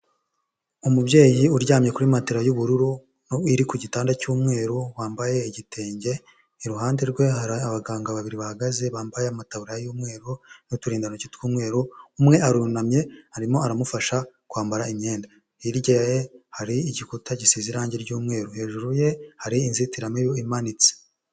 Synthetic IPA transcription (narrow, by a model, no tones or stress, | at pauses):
umubɟe̞ːjiuɾɟaːmɲe̞kuɾimateɾajuβuɾuɾu | noiɾikuɟitaːndacuːmŋe̞ːɾoβwaːmbaje̞iɟitʰe̞ːɲɟe̞ | iɾuɦaːnde̞ɾɡwe̞aɾaaβaɡaːŋɡaβaβiɾiβahaɡaze̞βaːmbajeamataβuɾajuːmŋe̞ːɾonutuɾiːndanocitkuːmŋe̞ːɾoumŋe̞aɾunamɲe̞haɾimo̞aɾamufaʃakwaːmbaɾaimɲe̞ːnda | iɾɟejehaɾiiɟikutʰaɟisiziɾaːɲɟeɾɟuːmŋe̞ːɾohe̞ːʒuɾuje̞haɾiːnzitiɾamejoimanit͡si̥